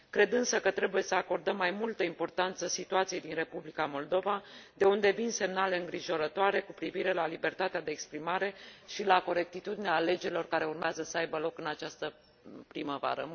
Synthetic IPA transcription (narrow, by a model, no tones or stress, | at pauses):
kɾe̞d̪ɨnsəkət̪ɾe̞buje̞səako̞rd̪əmːajmult̪əimpo̞rt̪ant̪səsit̪uat̪sijejd̪inre̞publikamo̞ld̪o̞vad̪e̞und̪e̞vinse̞mnaleɨŋɡɾiʒo̞ɾət̪oaɾe̞kupɾiviɾe̞lalibe̞rt̪at̪ead̪e̞ːkspɾimaɾe̞ʃilako̞ɾe̞k̚t̪it̪ud̪ineeale̞d͡ʒe̞ɾilo̞rkaɾe̞urmeazəsəajbəlo̞kɨnat͡ʃast̪ə | pɾiməva̰ɾə̰